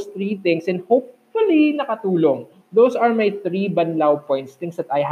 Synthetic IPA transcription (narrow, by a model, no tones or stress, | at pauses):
st̪ɹit̪ɪ̃ŋsɛnhowpfʊlinɐkɐt̪uːloŋ | d̪owsɐɹmajt̪ɾibɐnlawpɔjnt̪st̪ɪ̃ŋsd̪ɐt̪ɐjɦ